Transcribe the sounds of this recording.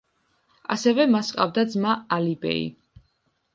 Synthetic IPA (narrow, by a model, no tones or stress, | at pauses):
a̰sɛvɛmasqʼa̰vd̪ad̪zmaːlibɛ̰ḭ